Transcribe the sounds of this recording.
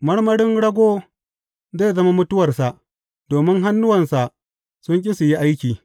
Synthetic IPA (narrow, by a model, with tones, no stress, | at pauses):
mɐ˦ɽmɐ˦ɽɪ˦nɽɐ˦ɡʷoː˦ | zeː˦˨zɐ˦ma˦mʊ˦tʊ˦wɐ˨rsa˨ʔ | doː˨mɪ˦ŋɦa˦nːʊ˦wɐ˨nsa˨ʔ | sʊ˦ŋkʲʼɪ˦sʊ˨ji˦ʔa˦jkʲiː˨